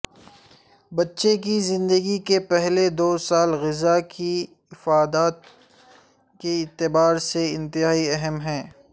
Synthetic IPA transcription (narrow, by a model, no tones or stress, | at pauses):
bɐtːʃekizɪ̃nd̪əɡikepɛɦled̪oːsaːlɣɪzakʰi | ɪfaːd̪aːt̪̚ | keɪt̪ːɪbaːɾseɪ̃nt̪ɪɦaːiɛɦəmɦɛ̃ː